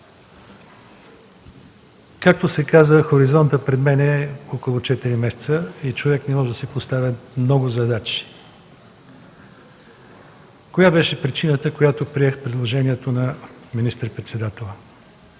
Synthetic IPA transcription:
kak̚t̪osɛkazəxoɾizɔnt̪əpɾɛd̪mɛnɛɔkolˠot͡ʃɛt̪iɾimɛsɛ̥t̪səit͡ʃovɛknɛmɔʒɛd̪ɐsɛpost̪avʲəmnɔɡʊzɐd̪at͡ʃi̥ | kojabɛʃɛpɾit͡ʃinət̪əkojat̪opɾiɛxpɾɛd̪lˠoʒɛniɛt̪onɐminist̪əɾpɾɛt̪sɛd̪at̪ɛlˠə

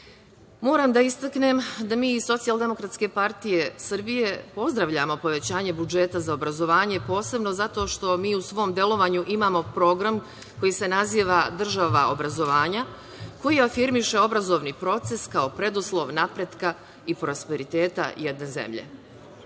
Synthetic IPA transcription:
mo̞ːɾaːmd̪aist̪akne̞md̪amiːiso̞t̪sialˠd̪e̞mo̞kɾat̪ske̞paɾt̪ije̞sɨr̩bije̞po̞zd̪ɾaʋʎamo̞po̞ʋe̞t͡ɕaːɲe̞bud͡ʒe̞t̪azaobɾazo̞ʋaːɲe̞po̞ːse̞bno̞zat̪o̞ːʃt̪o̞miːusʋo̞md̪je̞lo̞ʋaɲuʔimamo̞pɾo̞ɡɾam | ko̞jise̞naziːʋad̪r̩ʒaʋa̰o̰bɾazo̞ʋaːɲa | ko̞jiafiɾmiʃe̞o̞bɾazo̞ʋnipɾo̞t̪se̞skao̞pɾe̞d̪uslˠo̞ʋnapɾe̞d̪ka | ipɾospeɾit̪e̞ːt̪a̰jed̪nezḛmʎḛ

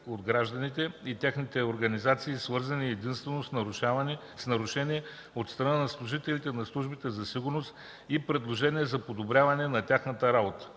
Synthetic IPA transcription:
od̪ɡɾaʒd̪ənit̪ɛit̪ʲaxnit̪ɛoɾɡɐnizat̪siːsvɤɾzɐniɛd̪inst̪vɛnosan | snɐɾʊʃɛniɛ | ot̪st̪ɾɐnanɐslˠʊʒit̪ɛlit̪ɛnɐslˠuʒbit̪ɛzɐsiɡʊɾnost̪ | ipɾɛd̪lˠoʒɛniɛzɐpod̪obɾʲavɐnɛnɐt̪ʲaxnət̪əɾabot̪ə̥

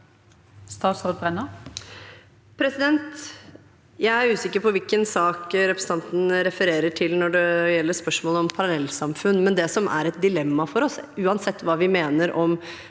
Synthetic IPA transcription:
st̪ɑːt̪soːd̪̚bʁɛnə | pʰɾɛsɪd̪ɛnt̪ | jæɪæɾʉːsɪkːəɾpɔʋɪlkənsɑːkɾɛpɾsn̩t̪ɑnt̪n̩ɾɛfəɾeːɾəʈʰɪlnɔɖɛjɛlːəʂpœʂmoːləɔmpʰɑɾɑlɛlːsɑmfʉnːmɛnd̪ɛsɔmʔæ̰ɾɛt̪̚d̪ɪlɛmːɑfɔɾɔsʉːɑnsɛt̪ːʋɑːʋɪmeːnəɾʔɔm

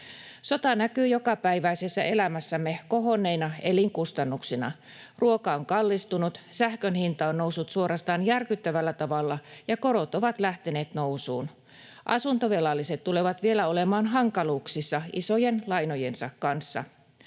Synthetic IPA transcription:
so̞t̪ɑnækyːjo̞kɑpæiʋæisesːæ̰ʔe̞læmæsːæmːekoɦo̞nːeinɑe̞liŋkust̪ɑnːuksinɑ̰ | rʔuokɑoŋkɑlːist̪unut̪sæhkønhint̪ɑonno̞wsːut̪suo̞ɾʔɑst̪ɑːnjærkyt̪ːæʋælːæt̪ɑʋɑlːɑjɑko̞ɾo̞t̪o̞ʋɑt̪læht̪e̞ne̞ːt̪no̞usuːn | ʔɑ̰sunt̪o̞ʋelɑlːiset̪t̪ːule̞ʋɑt̪ʋie̞læole̞mɑːnɦɑŋkɑluːksisːɑiso̞je̞nlɑjno̞je̞nsɑkkɑnsːɑ̰

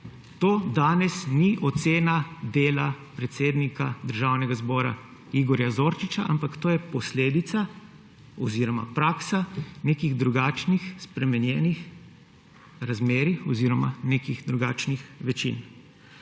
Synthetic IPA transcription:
t̪oːd̪aːnɛsniʔɔt̪seːnad̪eːlapɾɛt̪seːd̪nikad̪əɾʒaːwnɛɡazbɔːɾa̰ | iɡɔɾjazoːɾt͡ʃit͡ʃaʔa̰mpakt̪oːjɛpɔsleːd̪it̪sa | ɔziːɾɔma̰pɾaːksanekiɣd̪ɾuɡaːt͡ʃnixspɾɛmɛnjɛːnix | ɾazmeːɾixɔziɾɔma̰nekiɣd̪ɾuɡaːt͡ʃnixʋɛt͡ʃḭn

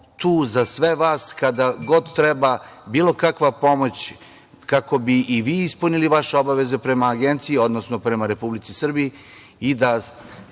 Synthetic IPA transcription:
t̪uːzasʋe̞ʋaːskad̪aɡo̞d̪t̪ːɾebabiːlˠo̞kakʋapo̞mo̞t͡ɕ | kako̞biiʋiːispuniliʋaʃeo̞baʋe̞zepɾe̞maːɡe̞nt̪siio̞d̪no̞sno̞pɾe̞maɾe̞publit̪sisr̩bii | id̪a

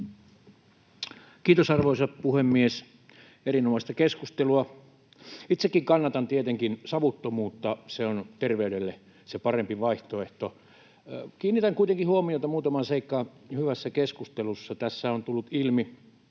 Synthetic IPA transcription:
kiːt̪osɑrʋoisɑtpuhemːies | erinomɑˑist̪ɑkeskust̪eluɑ | it̪sekːiŋkɑnːɑt̪ɑnt̪iet̪eŋkinsɑʋut̪ːomuːt̪ːɑseont̪erʋeyɾelːe | sepɑrempiʋɑiht̪oeht̪o | kiːnːit̪æŋkuit̪eŋkihuomiot̪ɑmuːt̪ɑmɑnseikːɑːhyʋæsːækeskust̪elusːɑt̪æsːæont̪ulːut̪ilmi

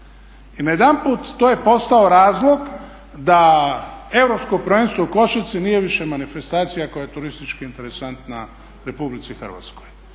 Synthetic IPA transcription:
inaje̞d̪anpuːt̪ːoːje̞po̞st̪ao̞ɾaːzlˠo̞ɡ | d̪a | e̞vɾo̞psko̞pɾoʋe̞nst̪ʋouko̞ʃat̪sinije̞ʋiʃe̞manife̞st̪aːt̪sijako̞jajet̪uɾist̪it͡ʃkiint̪e̞ɾesant̪na | ɾe̞publit̪ixər̩ʋa̰t̪sko̞j

